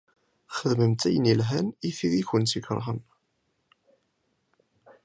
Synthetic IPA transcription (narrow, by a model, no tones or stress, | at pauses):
χəðməmt̪æjənilɦæniθiðiçənt͡sːikɾˤʁə̰n